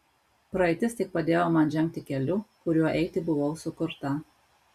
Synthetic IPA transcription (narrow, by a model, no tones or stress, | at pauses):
pɾɐɛɪt̪ʲɪst̪ʲɪk̚pɐd̪ʲeːjoːmɐnʒʲɛŋʲk̚ʲt̪ʲɪkʲɛlʲʊkʊɾʲuɔʔɛɪt̪ʲɪbʊʋoʊsʊkʊɾt̪ɐ